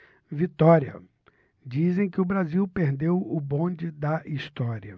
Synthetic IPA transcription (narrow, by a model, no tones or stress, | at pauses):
vit̪ɔɾiɐ̰ | d͡ʒizẽj̃kɪʊbɾaziwpeɾd̪ewʊbõd͡ʒɪd̪ɐʔist̪ɔɾiɐ